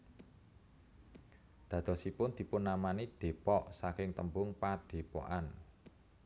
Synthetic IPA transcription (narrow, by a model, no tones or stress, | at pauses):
d̪̥ä̤d̪̥ɔ̤sipʊnd̪̥i̤pʊnːamanid̪̥e̤pɔʔsakɪŋt̪əmbʊŋpad̪̥e̤pɔ̰ʔan